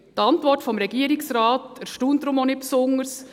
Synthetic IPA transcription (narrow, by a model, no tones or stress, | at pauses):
tɑntʋɔrtfɔmɾɛɡ̥iəɾɪksɾaːtəɾʃtuːndɾʊmonɪt̚psʊŋəɾs